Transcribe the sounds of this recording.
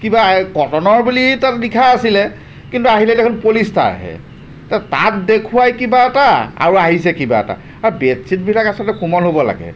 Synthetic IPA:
kibakɔtɔnɔɹbulitatnikʰaasilɛ | kintuaɦilɛdekʰunpolista̰ɹɦɛ̰ | tata̰t̚dekʰuwajkibaɛtaa̰ɹuaɦisɛkiba̰ɛ̰ta̰ | aɹbetsit̚bʱilakasɔtɛkumɔlɦobɔla̰ɡɛ̰

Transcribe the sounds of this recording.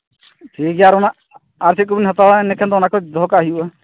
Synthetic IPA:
ʈʰik̚d͡ʒaɾɔnaʔ | aɾsit̪̚kubinɦat̪awanɛkʰɛnd̪ɔnakɔd̪ʱɔkaaɦijuʔa

